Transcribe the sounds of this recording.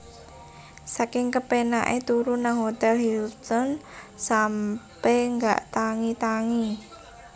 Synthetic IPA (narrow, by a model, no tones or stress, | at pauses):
sakɪŋkəpenaʔet̪uɾunaŋɦot̪ɛlhilt̪ɔn | sampɛŋɡa̰ʔt̪aŋit̪aŋi